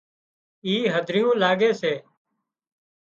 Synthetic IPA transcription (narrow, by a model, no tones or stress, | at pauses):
iːɦəd̪ʱɾɪjũːlaːɡeːseː